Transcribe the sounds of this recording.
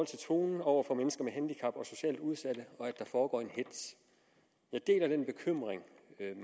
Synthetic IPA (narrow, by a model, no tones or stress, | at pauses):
ɒ̽l̰t͡sʰe̝t͡sʰo̝̰ːnn̩ɒʊ̰ɐfɒ̽menəsɡ̥ɐmeɦænd̥ikʰɑ̈b̥ɒ̽so̝ɕɛ̰ːld̥uð̞ˠsæd̥əɒ̽æd̥ːɑ̈fɒːɡ̥ɒ̰ːe̝nhe̝d̥s | jɑ̈ɪd̥e̝̰ːlæd̥enb̥e̝kʰøm̰ʁeŋ